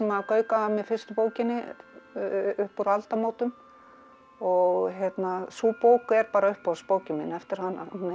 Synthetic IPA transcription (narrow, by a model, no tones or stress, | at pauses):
ɛmakœːɥkaamːɛðfɪrst̪ʏpoːwcɪnːɪ | ʏhpuɾalt̪amoːwt̪ʏm | ɔɣçjɛt̪nasuːpoːwkʏɛɾpaːɾaʏhpɔspoːwcɪmɪnɛft̪ɪɾ̥hanːa̰mɛ